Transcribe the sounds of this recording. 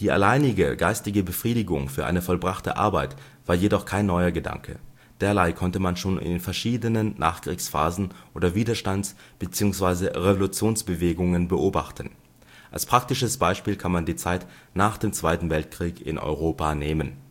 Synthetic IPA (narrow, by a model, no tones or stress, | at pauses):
d̥iːʔa̰laɪnɪɡəɡaɪstɪɡəbəfʁ̥iːdɪɡʊŋfyːɐʔa̰ɪnəfɔlbʁaχtə̰ʔa̰ɐbaɪt | v̥aːɐjedɔχkʰaɪnːɔʏɐɡəda̰ŋkʰə̰ | d̥eːɐlaɪkʰɔntəmanʃoːn̰ɪ̰nfɛɐʃiːdənənnʔa̰ːχkʁ̥iːksfa̰ːzn̩ʔoːdɐviːdɐʃtansb̥ət͡siːʊŋsv̥aɪzəʁevolut͡sjoːnsb̥əveːɡʊŋənbəʔoːba̰χtən̩ | ʔa̰lspʁ̥ak̚tɪʃəsb̥aɪʃpiːlkʰanmandiːt͡saɪt | naːχd̥eːmt͡sv̥aɪtn̩vɛltkʁ̥iːkɪ̰nʔɔ̰ʏʁ̞oːpaneːmən